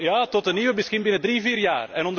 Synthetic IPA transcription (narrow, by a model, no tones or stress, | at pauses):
jatɔtənːiwəmɪskɪnbɪnədriːviːrjaːrɛnɔnd